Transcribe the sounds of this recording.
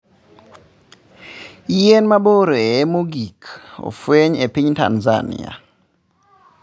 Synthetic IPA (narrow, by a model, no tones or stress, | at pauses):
jenmaboɾeɛmoɡiko̰fweɲepiɲta̰nza̰nḭa̰